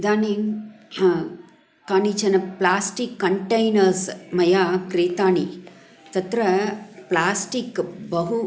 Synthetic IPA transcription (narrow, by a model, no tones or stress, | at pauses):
d̪aːniːn | kaːniːt͡ʃɐnɐplaːsʈikːɐɳʈɐjnɐɾsmɐjaːkɾeːt̪aːni | t̪ɐt̪ɾɐplaːsʈikbɐɦu